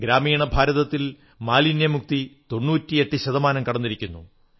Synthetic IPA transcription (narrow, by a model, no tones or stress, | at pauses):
ɡɾaːmiːɳɐbʱaːɾɐðɐt̪ːil | maːlinjɐmuk̚t̪it̪o̞nːuːtːie̞ʈːɨɕɐðɐmaːnɐmkɐɽɐnːiɾikʲːunːṵ